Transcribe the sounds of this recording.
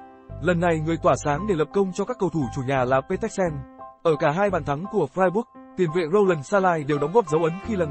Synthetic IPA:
lə˨˩nːa˨˩jŋɨ˨˩əjt̪waː˧˩saː˨˦ŋɗe˧˩lə˨˩p̚kə˧wŋ͡mt͡ɕɔ˧kaː˦˥kːə˧wt̪ʰu˧˩t͡ɕu˧˩ɲaː˨˩laː˨˩pe˧t̪ɛ˦˥k̚sɛ˧nʔəː˧˩kaː˧˩ɦaː˧jɓaː˨˩nt̪ʰa˨˦ŋku˧˩əfɾaː˧jɓu˦˥ək̚ | t̪i˨˩ənvḛ˧˨zə˧wlə˨˩nsaː˧laː˧jɗe˨˩wɗɔ˨˦ŋ͡mɣɔː˦˥p̚zə˨˦wʔə˨˦nxi˧laː˨˩

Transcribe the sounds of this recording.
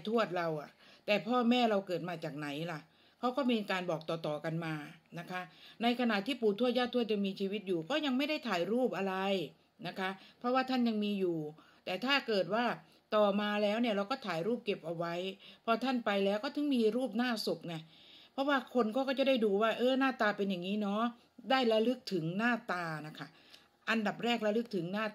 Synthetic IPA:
t̪ʰu˥˩ət̪̚ɾa˧wʔa˨˩t̪ɛː˨˩pʰɔː˥˩mɛː˥˩ɾa˧wkɤː˨˩t̪̚maː˧t͡ɕaː˨˩k̚na˩˦jla˨˩ʔ | kʰɔ˦˥wkɔː˥˩miː˧kaː˧nbɔː˨˩k̚t̪ɔː˨˩t̪ɔː˨˩ka˧nmaː˧na˦˥kʰa˦˥ʔna˧jkʰa˧na˨˩t̪ʰiː˥˩puː˨˩˦t̪ʰu˥˩t̪̚jaː˥˩t̪ʰːu˥˩ət̪ja˧ŋmiː˧t͡ɕʰiː˧wi˦˥t̪̚juː˨˩kɔː˥˩ja˧ŋma˥˩jda˥˩jt̪ʰaː˩˦jɾuː˥˩p̚ʔa˧ɾa˧j | na˦˥kʰa˦˥ʔpʰɾɔ˦˥waː˥˩t̪ʰa˥˩nja˧ŋmiː˧juː˨˩ | t̪ɛː˨˩t̪ʰaː˥˩kɤː˨˩t̪̚waː˥˩ | t̪ɔː˨˩maː˧lɛː˦˥wni˥˩ɾa˧wkɔː˥˩t̪ʰaː˩˦jɾuː˥˩p̚ke˨˩p̚ʔa˧wa˦˥jpʰɔ˧t̪ʰa˥˩npa˧jlɛː˦˥wkɔː˥˩t̪ʰɯ˩˦ŋmiː˧ɾuː˥˩p̚naː˥˩so˨˩p̚ŋa˧˩ | pʰɾɔ˦˥waː˥˩kʰo˧nkʰɔː˥˩kɔː˥˩t͡ɕa˨˩da˥˩jduː˧waː˥˩ʔɤː˧˩naː˥˩t̪aː˧pe˧njaː˨˩ŋːiː˦˥nɔː˦˥ | daː˥˩jla˧lɯ˦˥k̚t̪ʰɯ˩˦ŋnaː˥˩t̪aː˧na˦˥˩kʰa˦˥˩ | ʔa˧nda˨˩p̚ɾɛː˥˩k̚la˧˥lɯ˦˥k̚t̪ʰɯ˩˦ŋnaː˥˩

